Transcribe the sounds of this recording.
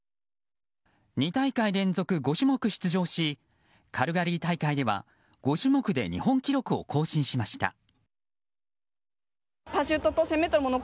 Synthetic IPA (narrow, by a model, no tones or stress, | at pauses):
ɲ̟it̪aikaiɾẽ̞nd͡zo̞kɯ̟ɡo̞ɕɨmo̞kɯ̟ɕi̥t͡sɨʑo̞ːɕi | kʰaɾɯ̟ɡaɾʲit̪aikaid̪e̞βa̰ | ɡ̥o̞ɕimo̞kɯ̟d̪e̞̰ɲ̟ḭhõ̞ŋkʲiɾo̞kɯ̟o̞̰kʰo̞ːɕĩɰ̃ɕimaɕi̥t̪a̰ | paɕɨt̪ːot̪ose̞met̪ːoɾɯmono